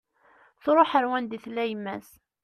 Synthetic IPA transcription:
θɾˤoħəɾwænd̪iθlæjəmːæ̰s

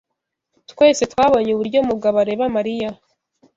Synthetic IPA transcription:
twe̞ːse̞twaːβo̞ɲeuβuɾɟo̞muɡaβaɾe̞βamaɾija

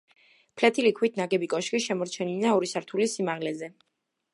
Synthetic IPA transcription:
pʰlɛt̪ʰilikʰwit̪ʰnaɡɛbikʼɔʃkiʃɛmɔɾt͡ʃʰɛnilnaɔɾisaɾt̪ʰulisimaʁlɛzɛ

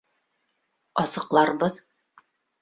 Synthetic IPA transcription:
ɑsɤ̆qlˠɑɾbɤð

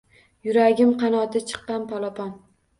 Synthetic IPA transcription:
jʊɾaɡʲɪmqʰɑnɒt̪ʰɪt͡ʃʰɨ̥qːɑnpʰɒlˠɒpʰɒn

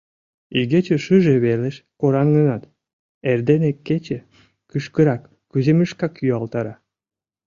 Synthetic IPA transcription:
iɣet͡ɕĕʃɨʒeβeleʃkoɾɑnɡənɑt̪ | erd̪enekːet͡ɕe | kyʃkəɾɑkːyzeməʃkɑkjyɑlt̪ɑɾɑ

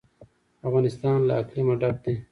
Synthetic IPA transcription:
ɐfɣaːnɪst̪aːnla̰ːklimaɖap̚d̪e

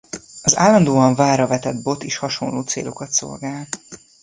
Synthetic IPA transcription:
ɒzaːlːɒnd̪oːɒɱvaːrɒvɛt̪ɛd̪̚bo̞t̪eːʃhɒʃo̞nloːt̪sḛːlo̞kɒt̪so̞̰lɡaːl

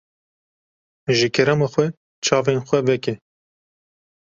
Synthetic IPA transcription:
ʒɨkʰɛɾɛmɑːxʷwʷɛ | t͡ʃʰɑːvenxʷɛvɛkɛ

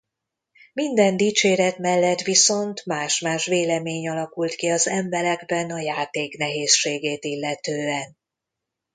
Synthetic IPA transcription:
mind̪ɛnd̪iːt͡ʃeːɾɛt̪mɛlːɛt̪ʋiso̞nt̪maːʃmaːʃʋeːlɛmeːɲɒlɒkult̪kiɒzɛmbɛɾɛɡbɛnɒjaːt̪eːknɛɦeːsʃeːɡeːt̪ilːɛt̪øːɛn

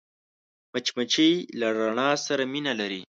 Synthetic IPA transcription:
mat͡ʃmat͡ʃijlaɾaɳɑsaɾaminalaɾi

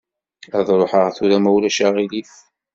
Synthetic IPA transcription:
æðˤɾˤoħəʁθuɾæmæwlæʃæʁiliθ

